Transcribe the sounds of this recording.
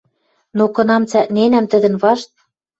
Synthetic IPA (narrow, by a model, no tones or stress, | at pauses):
nokɤ̆nɑmt͡sæʔnenæmt̪ə̆d̪ə̆nβɑʃt̪̚